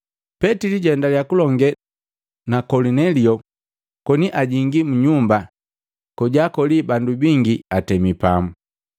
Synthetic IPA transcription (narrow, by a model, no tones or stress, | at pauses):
pɛtiliɟɛndaljakulɔŋɡɛ | nakɔlinɛliɔ | kɔniʔaɟiŋɡimuɲumba | kɔɟaːkɔlibandubiŋɡiatɛmipamu